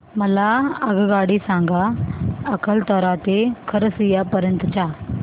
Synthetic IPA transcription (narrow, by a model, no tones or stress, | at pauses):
mɐlaɐɡɡaːɽiːsãːŋɡaɐkəlt̪ɔːɾaːt̪ekʰɐɾsiːjaːpɐɾjə̃nt̪t͡ʃʰaː